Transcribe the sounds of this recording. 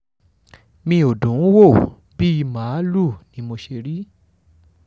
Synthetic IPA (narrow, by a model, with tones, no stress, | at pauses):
mĩ˧o˨dũ˨˦wo˦˨ | bi˦i˧mã˨˦lu˦˨nĩ˧˦mo˧ʃe˧ɾi˦